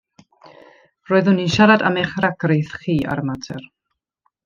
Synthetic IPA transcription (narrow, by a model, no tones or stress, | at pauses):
roːɨðʊniʃaɾada̰meχraɡrejθχiːa̰ɾəmatʰɛr